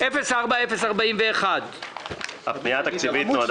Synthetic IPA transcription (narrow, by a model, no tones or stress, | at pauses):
ʔefesaʁbaefesaʁbaimveːχad̪ | ha̰pnijat̪akt͡sivit̪noad̪